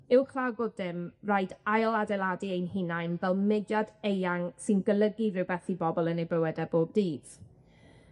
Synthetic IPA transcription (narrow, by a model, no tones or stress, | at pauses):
ɪwkʰl̥ˠawɡʊdɪmrajdajlˠadɛlˠadiejnhɪnajnvɛlˠmɪdjadejaŋsɪnɡəlˠəɡirɪwbɛθibɔbɔlˠənejbəwɛdɛboːb̚diːd̥